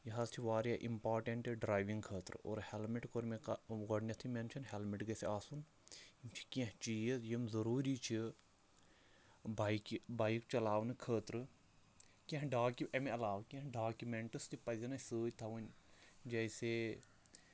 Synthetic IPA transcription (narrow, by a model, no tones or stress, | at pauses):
jiɦɐzt͡ʃʰiʋaːɾjaʔḭmpaːɾʈeɳʈɨɖɾaːjʋiŋɡkʰəːt̪ɾɨo̰ːɾhelmiʈkoɾmekɡɐɖnʲɐt̪ʰiment͡ʃʰɐnɦelmiʈɡɐsiaːsun | jimt͡ʃʰi̥kẽɦt͡ʃiːjizjimzɐɾuːɾit͡ʃʰi | bajkbajkt͡ʃɐlaːʋnɨkʰəːt̪ɾɨ | kʲẽɦɖaːkʲiɐmeɐlaːʋkʲẽɦɖaːkʲumeɳʈɨst̪ʰipɐd̪ʲɐnɐsəːjʲt̪ʰɐʋunʲ | d͡ʒɐjse